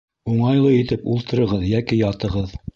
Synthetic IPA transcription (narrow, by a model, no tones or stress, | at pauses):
uɴɑjlˠɤit̪ɘpulˠt̪ɤ̆ɾɤ̆ʁɤðjækijɑt̪ɤ̆ʁɤð